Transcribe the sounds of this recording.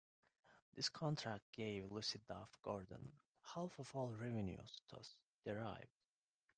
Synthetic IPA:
ðɪskʰɑ̃ntʰɹ̥æk̚t̚ɡ̥eɪvlusid̪afɡ̥ɔɹd̪ə̰̃n̩ | halˠfɔvɔlˠɹɛvɨ̃njṵztʰʌ̰s | d̪̥ɛɹaɪvd̥

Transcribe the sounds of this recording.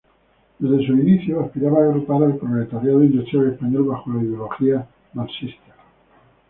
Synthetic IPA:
d̪e̞zðe̞suiniθjoaspiɾaβaːɣɾutaɾalpɾoplet̪aɾjaðoind̪ut̪aɾespaɲolβaxolaiðeoloxia | nalsist̪a

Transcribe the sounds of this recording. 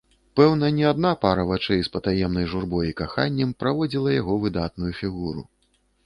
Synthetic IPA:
pɛwnɐnʲɛad̪napaɾɐvat͡ʂɛjspɐt̪ajɛmnɐjʐurbɔjikaxanʲːɐmpɾavɔd͡zʲilˠɐjaɣɔvɨd̪at̪̚nujufʲiɣuɾṵ

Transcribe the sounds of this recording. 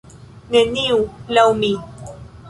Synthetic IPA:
neniulawmi

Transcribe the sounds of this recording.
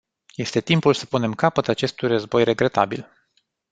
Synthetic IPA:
je̞st̪e̞t̪impulsə̥pune̞mkapət̪at͡ʃe̞st̪ujrəzbo̞jre̞ɡɾe̞t̪a̰bḭl

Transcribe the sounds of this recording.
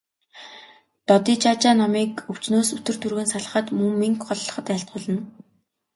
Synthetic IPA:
t̪ɔt̪iːt͡ɕaːt͡ɕaːnɔmiːkɵw̥t͡ɕnoːsɵt̪ɵ̆r̥t̪ʰurɣɘ̆nsaɮə̆χə̆t̪mɵŋːiŋkχɔɮːɞ̆χə̆t̪aɬt̪̚ɢʊːɮə̆n

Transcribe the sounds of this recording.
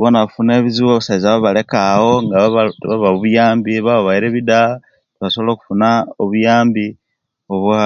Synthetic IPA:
βonaβafune̞ːβiziwoβasaizaβaβale̞kaho̞ŋɡaββaβaβuβujaːmbiβaβaβaiɾe̞βida | tβasoβolo̞ːku̥funaoβujaːmbi | oβoa

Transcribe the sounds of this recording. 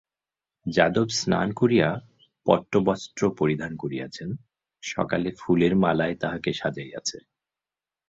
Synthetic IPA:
d͡ʑad̪obsna̰nkoɾia | pɔ̰ʈːobɔst̪ɾopoɾid̪ʱankoɾia̰t͡ɕʰen | ʃɔ̰kalefuleɾmalaet̪aɦakeʃad͡ʑaea̰t͡ɕʰe

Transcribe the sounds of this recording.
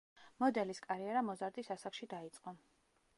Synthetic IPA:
mɔd̪ɛliskʼaɾiɛɾamɔzaɾd̪isasakʃid̪ait̪sʼqʼɔ

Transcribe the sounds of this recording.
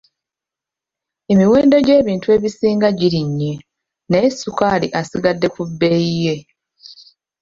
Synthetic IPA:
e̞miwe̞ːndo̞ɟe̞ːβiːntue̞ːβisiːŋɡaɟiɾiɲːe | neesukaːliʔasiɡadːe̞kubːe̞jije̞

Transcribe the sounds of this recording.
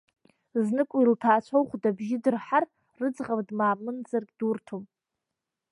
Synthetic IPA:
znɨkʷʼuiltʰaːt͡ʃʷʰowχʷdabʒɪdɨrħar | rɨd͡zʁardmaːmɨnd͡zarkʲʼd̥urtʰom

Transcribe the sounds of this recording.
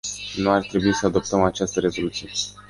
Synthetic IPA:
nuart̪ɾe̞buisəad̪o̞p̚t̪əmat͡ʃast̪əɾe̞zo̞lut̪sije̞

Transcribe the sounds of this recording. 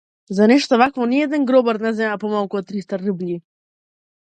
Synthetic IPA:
zanɛʃt̪ɔvakvɔniɛd̪ɛnɡɾɔbaɾnazɛmapɔmalˠkuɔt̪ːɾist̪aɾəblʲi

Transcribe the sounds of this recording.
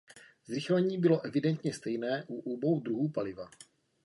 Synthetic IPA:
zɾɪxlɛɲiːbɪlo̞ʔɛvɪdɛnt̪ɲɛst̪ɛjnɛːʔuʔubowd̪ɾuɦuːpalɪva

